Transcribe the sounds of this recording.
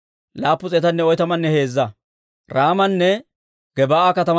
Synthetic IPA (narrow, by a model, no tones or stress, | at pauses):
laːpːʊt͡sʼɛːt̪ɐnːɛɔjt̪ɐmɐnːɛhe̞ːzːɐ | ɾaːmɐnːɛ | ɡ̥ɛbaːakɐt̪ɐm